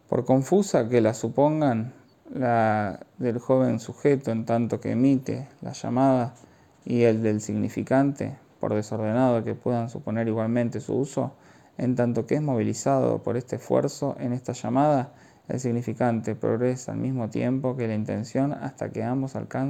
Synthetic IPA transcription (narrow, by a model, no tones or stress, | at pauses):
po̰ɾko̞ɱfusakelasupo̞ŋɡan | laðelxo̞β̞e̞nsuxet̪oent̪ant̪o̞kḛːmit̪e̞̰la̰ʃa̰maða | ield̪e̞lsiɣnifikant̪e̞̰ | po̞̰ɾð̞eso̞ɾð̞e̞nað̞oke̞pweðansupo̞neɾiɣwalmẽ̞nt̪e̞sṵuso̞̰ | ḛnt̪ant̪o̞keezmo̞β̞ilisaðo̰po̞ɾe̞st̪esfwḛɾso̞ʔenest̪aʃamað̞a | ḛlsiɣnifikant̪e̞pɾo̰ɣɾesaa̰lmizmo̞t̪je̞mpo̞ke̞laint̪e̞̰nsjo̞na̰st̪a̰keambo̞sa̰lkan